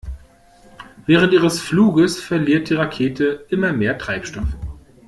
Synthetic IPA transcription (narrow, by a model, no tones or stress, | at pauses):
v̥ɛːʁ̞əntʔiːʁəsfluːɡəsfɛɐliːɐt̚d̥iːʁakʰeːtʰəʔɪmɐmeːɐtʁ̥aɪpʃtɔf